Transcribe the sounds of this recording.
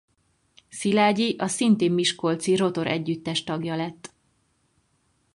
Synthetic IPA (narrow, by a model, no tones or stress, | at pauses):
silaːɟiʔɒsint̪eːmːiʃkolt̪siro̞t̪o̞ɾʔɛ̰ɟːyt̪ːɛʃt̪ɒɡjɒlɛt̪ː